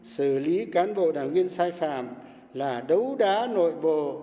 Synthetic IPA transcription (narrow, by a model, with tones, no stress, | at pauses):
sɨ˧˩li˨˦kaː˨˦nɓo̰˧˨ɗaː˧˩ŋvi˧ənsaː˧jfa̰ː˧˨m | laː˨˩ɗə˨˦wɗaː˨˦no̰˧˨jɓo̰˧˨